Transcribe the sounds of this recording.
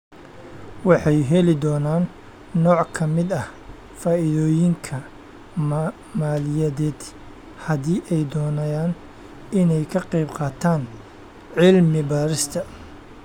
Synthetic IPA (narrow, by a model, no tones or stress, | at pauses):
wɑħɑjɦɛlɪd̪ɔːnaːnː | ɔːʕkʰɐmɪd̪ɐh | faːɪðɔːjɪŋkʰɐ | maːlɪjɐðɛːd̪ | hɐðiːʔɛjd̪ɔːnɐjaːn | ɪnɛjkʰɐqɛjbqɑːt̪ʰaːn | ʕɪlmɪbaːɾɪst̪ʰɐ